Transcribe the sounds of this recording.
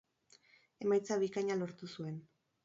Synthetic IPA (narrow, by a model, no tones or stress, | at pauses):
e̞majt͡saβikaɲalo̞ɾt̪usue̞n